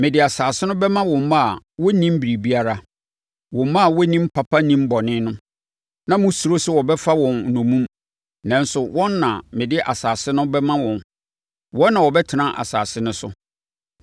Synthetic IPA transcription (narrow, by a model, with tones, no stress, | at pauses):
mɪ̃˨dɪ˨a˨saː˨sɪ˦nʊ̃˦bɛ˦mã˦wɔ̃˨m˦a˦˨wɔ˦nĩ˦m̩˦bi˨ɾi˨bi˦a˦ɾa˦ | wɔ̃˨m˦mã˦˨wɔ˦nĩ˦m̩˦pʰa˨pʰa˦nĩ˦m˦bɔ˨nɪ̃˦nʊ̃˦ | nã˦mʊ̃˦su˨ɾo˦sʊ˦wɔ˨bɛ˦fa˦wɔ̃˨n̩˨nũ˨mũ˦m | nã˦n˦sʊ˨wɔ̃˦nːã˨mɪ̃˨dɪ˦ʔa˨saː˨sɪ˦nʊ̃˦bɛ˦mã˦wɔ̃˨n | wɔ̃˦nːã˨wɔ˨bɛ˦tʰɪ˨nã˦ʔa̰˨saː˨sɪ˦nʊ̃˦sʊ̰˦